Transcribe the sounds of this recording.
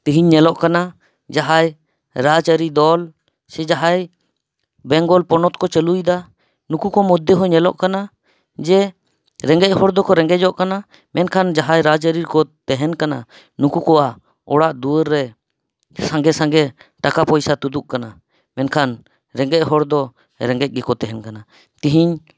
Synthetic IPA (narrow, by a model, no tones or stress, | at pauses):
t̪iɦiɲːɛlɔʔkana | d͡ʒaɦaj | ɾat͡ʃaɾid̪ɔl | sɛd͡ʒaɦaj | bɛŋɡɔlpɔnɔt̪̚kɔt͡ʃəlujd̪a | nukukɔmud̪ʱːeɦɔɲɛlɔʔkana | d͡ʒɛ | ɾɛŋɡɛc̚ˀhɔɽd̪ɔkɔɾɛ̃ŋɡɛd͡ʒɔʔkana | mɛnkʰand͡ʒaɦajɾad͡ʒəɾiɾkɔt̪ɛɦɛnkana̰ | nukukɔwa | ɔɽaʔd̪uəɾːɛ | sãŋɡɛsaŋɡɛʈakapɔjsat̪ud̪uʔkana | mɛnkʰan | ɾɛŋɡɛc̚ɦɔɽd̪ɔ | ɾɛŋɡɛc̚ˀɡɛkɔt̪ɛɦɛnkana | t̪iɦiɲ